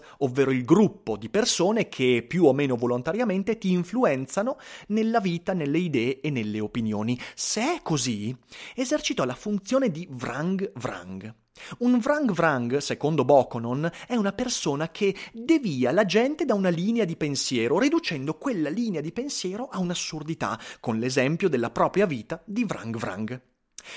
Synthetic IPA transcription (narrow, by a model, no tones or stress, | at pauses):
ovːeːɾoilɡɾupːod̪ipersoːnekʰepːjuomːeːnovolont̪aɾjament̪et̪iːɱfluɛnt̪sanonelːaviːt̪anelːeid̪ɛːeenːelːeopinjoːniseɛkːoziezert͡ʃit̪ɔlafunt̪sjoːned̪ivɾaŋɡvɾa̰ŋɡ | uɱvɾaŋɡvɾaŋɡsekond̪obɔkononɛunapersoːnakʰed̪eviːalad͡ʒɛnt̪ed̪aunaliːnead̪ipensjɛːɾoɾid̪ut͡ʃɛnd̪okwelːaliːnead̪ipensjɛːɾoʔaunasːurd̪it̪a̰konlezɛmpjod̪elːapɾɔːpɾjaviːt̪ad̪ivɾa̰ŋɡvɾa̰ŋɡ